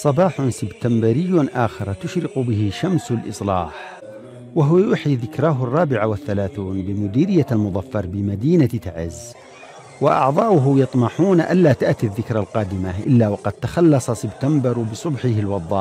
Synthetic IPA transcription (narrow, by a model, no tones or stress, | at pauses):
sˤɑbɑːħʊnsɪbt̪ambɪɾɪjːʊʔaːxɪɾˤt̪ʊʃɾɪqʊbɪhɪʃamsalʔɨsˤlɑ̰ːħ | waɦwajʊːħiðɪkɾaɦʊrˤːɑːbɪʕawɪθːalaːθuːnbɪmʊd̪iːɾɪjːalmʊd̪ˤɑfːɑɾˤbɪmad̪iːnat̪aʕɪ̰z | wɪʔɑ̰ʕd̪ˤɑːʔʊɦʊjɑt̪ˤmɑħuːnʔa̰lːaːt̪aʔt̪iðːɪkɾˤalqɑːd̪ɪmaʔɪlːawɑqɑd̪̚t̪axɑlːɑsˤɑsɪbt̪ambɑɾbɨsˤʊbħɪhɪlwɑd̪ˤːɑ̰ːʔ